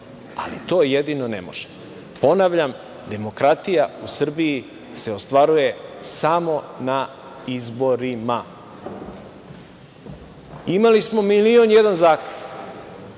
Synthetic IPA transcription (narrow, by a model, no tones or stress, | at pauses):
a̰lḭt̪o̞ːjed̪inonḛmo̞̰ʒ̥e̥ | po̞naʋʎam | d̪e̞mo̞kɾat̪ijausr̩biji | se̞o̞st̪ʋaɾuje̞samo̞na | izboɾima | imalismo̞milio̞njed̪anzaːxt̪eʋ